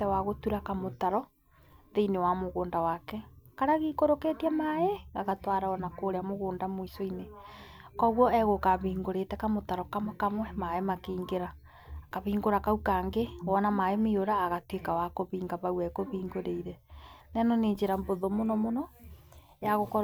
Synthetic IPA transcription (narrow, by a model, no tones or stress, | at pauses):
tɛwaɣotuɾakamotaɾɔ | ðeinewamoɣoːndawakɛkaɾaɣikoɾokɛtiamaeaɣatwaɾaɔnakoɾeamoɣoːndamwoisoinekɔɣwɔɛɣokaβiːŋɡoɾeːtɛkamotaɾɔkamkamwɛmaemakiːŋɡeɾaː | kaβiːŋɡoɾakaukaŋɡewɔnamaemioɾaːɣatwekawakoβiːŋɡaβauɛkoβiːŋɡoɾeiɾɛnɛnɔneːɲd͡ʒeɾamboðomonɔmonɔ | jaɣokɔ